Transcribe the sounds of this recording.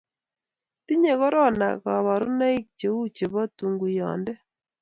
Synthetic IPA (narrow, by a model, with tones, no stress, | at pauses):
ti˦ɲe˨kɔ˦ɾɔ˦na̰˨ka˨βa˨ɾʊ˦na˦i˦k̚t͡ʃe˨wu˦t͡ʃe˨βɔ˦tu˨ŋɡu˨jɔ̰˨ndɛ˦